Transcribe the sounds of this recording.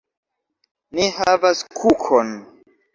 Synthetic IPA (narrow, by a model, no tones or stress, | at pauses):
nihavaskʰukʰon